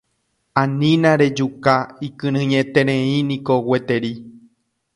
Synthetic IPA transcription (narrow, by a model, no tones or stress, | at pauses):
ãnĩnãɾe̞d͡ʒukaikɨ̃ɾ̃ɨ̃ɲet̪e̞ɾẽĩnĩkowe̞t̪e̞ɾi